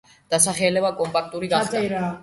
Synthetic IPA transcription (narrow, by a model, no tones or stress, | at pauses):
d̪̥asaχɛlɛbakʼɔmpʼak̚ʰt̪ʼuɾiɡaɛɾa